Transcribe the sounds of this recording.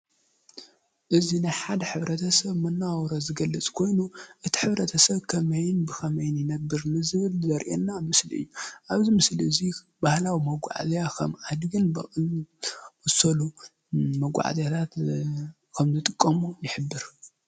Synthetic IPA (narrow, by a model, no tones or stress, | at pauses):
ʔɨzinajħad̪ɐħɨβɾɐt̪ʰɐsɐβmɐnːawɔɾozɨɡɐlːɨt͡sʼkʰo̞jnuʔɨt̪ʰi̥ħɨβɾɐt̪ʰɐsɐβkʰɐmɐjɪnbɨkʰɐmɐjɪnjɪnɐbːɨɾnɨzɨβɨlzɐɾʔenːamɨsliɨ̰jːuʔaβzimɨsliɨzi | bahlawimɐɡʷa̰ʕa̰zjakʰɐmʕad̪ɡɨnb | ɐsɐlu | mɐɡʷa̰ʕa̰zjat̪ʰat̪ | kʰɐmzɨt̪ʼɨkʼːɐmujɪħɨbːɨɾ